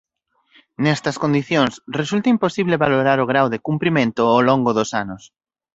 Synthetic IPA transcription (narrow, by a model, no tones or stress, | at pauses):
nɛst̪ɐskond̪iθjoŋsresult̪ɐimposiβleβaloɾaɾoɣ̞ɾawðɪkumpɾimẽnt̪ʊoloŋɡʊðosanʊs